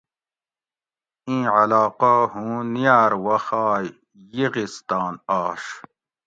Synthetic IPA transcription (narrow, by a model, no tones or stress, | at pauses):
ĩːʕalaːqaːɦũːnijaːɾwɐxaːjː | iɣist̪aːnaːʂ